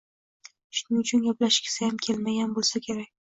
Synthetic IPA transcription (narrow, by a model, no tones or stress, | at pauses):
ʃʊnɪʊt͡ʃʰʊnɡʲaplaʃkʲɪ̥sajamkʲʰe̞lmaɡʲanbolˠsakʲʰe̞ɾakʲ